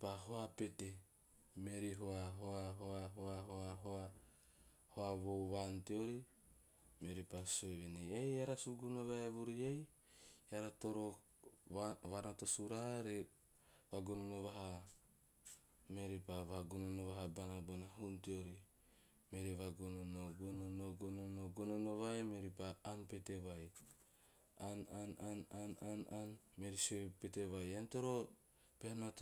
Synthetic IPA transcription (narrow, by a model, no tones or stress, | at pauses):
paɦoapete | meɾiɦoaɦoaɦoaɦoaɦoaɦoa | hoaβoβanteoɾi | meɾipasoeβenejejaɾasuɡunoβaeβuɾiej | aɾatoɾo | βanotosuɾahaɾe | βaɡunonoβaɦa | meɾipaβaɡononoβaɦabanabonaɦuntioɾi | meɾiβaɡononoɡononoɡononoɡononoβajmeɾipaanpeteβaj | ananananananmeɾisopeteβajantoɾo | pehanot